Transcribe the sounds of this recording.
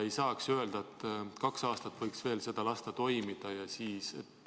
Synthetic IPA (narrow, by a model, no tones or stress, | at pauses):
e̞jsɑːksye̞ld̪̥ɑet̪ːkɑksɑːst̪ɑt̪ːˑvɤjksve̞ːlse̞d̪̥ɑlɑst̪ɑt̪o̞jmid̪̥ɑjɑsiːsḛt̪ː